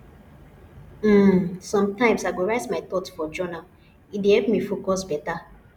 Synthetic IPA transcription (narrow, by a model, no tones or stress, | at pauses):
m̩sɔ̃mtãɪ̃msaɪɡoɹaɪtmaɪt̪ɔtfɔd͡ʒɔnal | idehɛlpmifokɔs̬bɛta